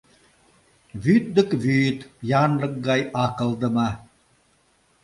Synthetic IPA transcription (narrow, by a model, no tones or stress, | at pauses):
βyt̪̚d̪ə̆kβyt̪jɑnlɤ̆k̚ɡɑjɑkɤ̆lˠd̪ə̆mɑ